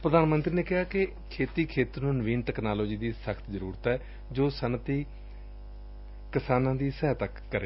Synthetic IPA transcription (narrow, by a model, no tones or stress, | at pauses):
pɾəd̪aːnmə̃nt̪ɾiːneːkɪɦaːke | kʰeːt̪iːkʰeːt̪ɾnũːnəʋiːnʈɛːknaːloːd͡ʒiːd̪iːsəkʰt̪zəɾuːɾt̪ɛː | d͡ʒoːsənt̪iː | kɪsaːnãːd̪iːsɛːt̪əkːəɾeː